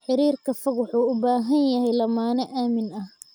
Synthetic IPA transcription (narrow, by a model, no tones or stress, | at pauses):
ħɪɾiːrkʰɐfɐkwʊħuːʊbaːɦɐnjɐɦɛjlɐmaːnɛʔaːmɪnɐh